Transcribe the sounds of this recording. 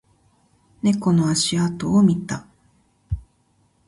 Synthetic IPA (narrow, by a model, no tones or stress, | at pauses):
ne̞ko̞noaɕiat̪oːmʲit̪a